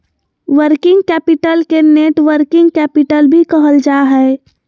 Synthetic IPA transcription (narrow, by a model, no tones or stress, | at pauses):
ʋəɾkɪ̃ŋɡkɛːpɪʈəlkeneːʈʋəɾkɪ̃ŋɡkɛːpɪʈəlbʱikəɦəld͡ʒaɦɛe